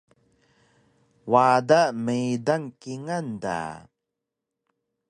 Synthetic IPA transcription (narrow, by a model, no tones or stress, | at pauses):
wadaməjdaŋkiŋanda̰